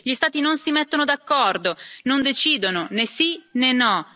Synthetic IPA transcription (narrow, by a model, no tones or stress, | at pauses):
ʎist̪aːt̪inonsimɛt̪ːonod̪akːɔrd̪onond̪et͡ʃiːd̪ononesinenɔ